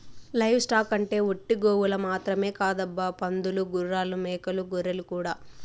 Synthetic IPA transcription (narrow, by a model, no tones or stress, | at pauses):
lɐjwsʈaːkɐɳʈe̞ːoʈːiɡoːwulɐmaːt̪ɾɐme̞ːkaːd̪ɐbːɐpɐnd̪uluɡuɾːaːlumɛːkɐluɡoɾelukuːɽaː